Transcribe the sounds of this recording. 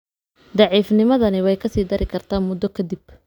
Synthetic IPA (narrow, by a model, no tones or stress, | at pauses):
d̪ɑʕiːfnɪmɐðɐnɪwɛjkʰɐsiːd̪ɐɾɪkʰɐrt̪ʰaːnmʊd̪ːɔkʰɐd̪ɪb